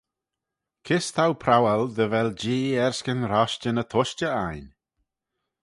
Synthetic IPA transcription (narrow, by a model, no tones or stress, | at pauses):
kʰɪst̪ʰawpʰɾawɛld̪əvɛld͡ʒiːɛɹskənɾaʃt͡ʃənət̪ʰɔʃt͡ʃəajn